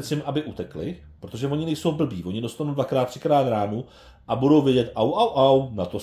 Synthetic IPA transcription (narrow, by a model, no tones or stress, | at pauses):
t͡sɪmʔabɪʔut̪ɛklɪ̰ | pɾo̞t̪o̞ʒɛvo̞ɲɪnɛjso̞wbl̩biːvo̞ɲɪdo̞st̪anowdvakɾaːt̪ːr̥ɪ̥kɾaːt̪ɾaːnu | ʔabudo̞wvjɛɟɛt̪ʔawʔawʔawnat̪o